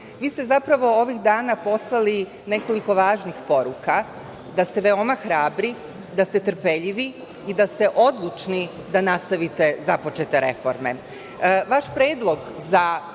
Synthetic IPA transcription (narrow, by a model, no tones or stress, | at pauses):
ʋiːst̪e̞zapɾaʋo̞o̞ʋixd̪aːnapo̞slˠali | ne̞ko̞liko̞ʋaːʒnixpo̞ɾuka | d̪ast̪eʋe̞o̞maxɾaːbɾi | d̪ast̪e̞t̪r̩pe̞ʎiʋi | id̪ast̪eʔo̞d̪lˠut͡ʃni | d̪anast̪aʋit̪e̞zapo̞t͡ʃe̞t̪e̞ɾe̞̰fo̞̰ɾme̞̰ | ʋaʃpɾeːd̪lˠo̞ɡza